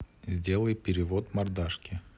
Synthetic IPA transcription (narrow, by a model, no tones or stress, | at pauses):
zʲdʲe̞lˠəjpʲɪɾʲɪvot̪mɐrd̪aʂkʲɪ